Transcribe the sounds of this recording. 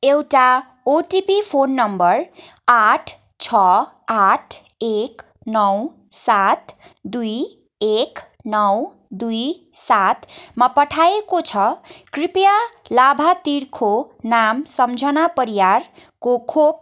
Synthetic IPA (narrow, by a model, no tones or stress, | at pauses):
ewʈa | oʈipipʰonːʌmbʌɾaʈʰ | t͡sʰʌ | aʈʰ | ek | nʌw | sat̪ʰd̪uj | ek | nʌw | d̪uj | sat̪ʰmapʌʈʰajekot͡sʰʌkripjalabʱat̪iɾkʰonamsʌmd͡zʱʌnapʌɾijaɾ | kokʰop̚